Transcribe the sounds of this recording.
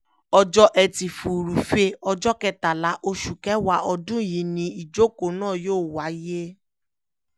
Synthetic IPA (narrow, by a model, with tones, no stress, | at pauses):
ɔ˧d͡ʒɔ˦ʔɛ˧ti˨fu˨ɾu˨fe˧˦ɔ˧d͡ʒɔ˦kɛ˦˧ta˨la˨˦ʔo˧ʃu˨kɛ˨˦wa˦ʔɔ˧dũ˦˨ji˨˦nĩ˧i˨d͡ʒo˦ko˨˦nãː˦˨joː˦˨wa˨˦je˦